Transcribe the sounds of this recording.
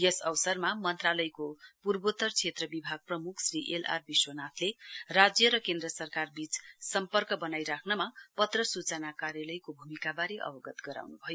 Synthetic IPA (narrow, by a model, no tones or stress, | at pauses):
jʌsʌwsʌrmamʌnt̪ralʌjkopurbot̪ʌrt͡sʰet̪rʌbibʱaɡ̚prʌmukʰsriʔela̰rbiswʌnat̪ʰlerad͡zjʌɾʌkend̪rʌsʌrkarbit͡ssʌmpʌrkʌbʌnajɾakʰnʌmapʌt̪rʌsut͡sʌnakaɾjalʌjkobʱumikabaɾeʔʌ̰bʌɡʌt̪ɡʌɾa̰wnubʱʌjo